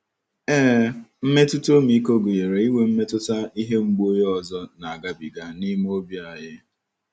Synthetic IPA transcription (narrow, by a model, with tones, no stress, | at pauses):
ɛː˦m̩˦me˦tu˦to˦mi˦ko˦ɡʊ˨je˨ɾe˨i˦we˦m̩˦me˦tʊ˦ta˦i˦ɦe˦ŋ͡m̩˦ɡ͡bu˦o˦jɔ˨zɔ˦na˨a˨ɡa˦bḭ˨ɡa˦ni˦m˦o˦bja˨ɦɪ˦